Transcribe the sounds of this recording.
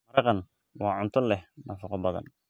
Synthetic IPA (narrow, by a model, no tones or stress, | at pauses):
mɐɾɑqɑn | wɑːʕʊnt̪ʰɔlɛhnʔɑːfɑqɔbɐðɐ̰n